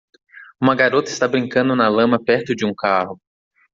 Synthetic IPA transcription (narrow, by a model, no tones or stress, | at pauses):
ũmɐɡaɾot̪ɐɪst̪abɾĩŋkɐ̃nd̪ʊnɐlɐ̃mɐpɛɾt̪ʊd͡ʒɪũkaɦʊ